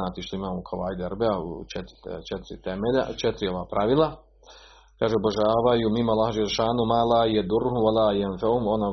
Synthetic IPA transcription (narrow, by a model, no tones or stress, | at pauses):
aːt̪iʃt̪oimaːmoukʰoʋaːjd̪eɾbeaṵt͡ʃet̪ɾt͡ʃet̪ɾit̪emeʎa̰t͡ʃet̪ɾio̞ʋaːpɾaʋilˠa | kaːʒeoboʒaːʋajumimːoalˠːaːhad͡ʒelːeʃaːnumaːlaːjad̪urːhumwalaːjanfahumona